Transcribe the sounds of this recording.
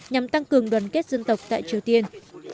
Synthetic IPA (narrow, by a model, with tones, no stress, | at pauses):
ɲa˨˩mt̪a˧ŋkɨ˨˩əŋɗwaː˨˩nke˦˥t̚zə˧nt̪ə˨˩wk͡p̚t̪a̰ː˧˨jt͡ɕi˨˩əwt̪i˧ən